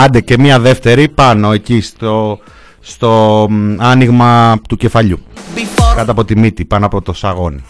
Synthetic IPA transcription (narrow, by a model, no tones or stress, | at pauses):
ɐnd̪ece̞miɐðe̞ft̪e̞ɾipɐno̞e̞cist̪o | st̪o̞ɐniɣmɐt̪uce̞fɐʎu | kɐt̪ɐpo̞t̪imit̪ipɐnoɐpo̞t̪o̞sɐɣo̞ni